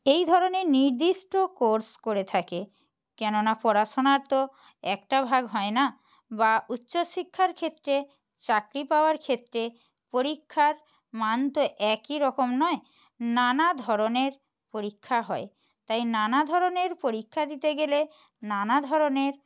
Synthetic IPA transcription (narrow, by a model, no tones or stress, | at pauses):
ejd̪ʱɔɾoneniɾd̪iʃʈokoɾskoɾet̪ʰake | kɛnonapɔɾaʃonaɾt̪o | ɛkʈabʱaɡɦɔena | bautːɕoʃikʰːaɾkʰet̪ːɾe | t͡ɕakɾipaoaɾkʰet̪ːɾe | poɾikʰːaɾ | mant̪oʔɛkiɾɔkomnɔe | nanad̪ʱɔɾoneɾ | poɾikʰːaɦɔe | t̪ajnanad̪ʱɔɾoneɾpoɾikʰːad̪it̪eɡele | nanad̪ʱɔɾoneɾ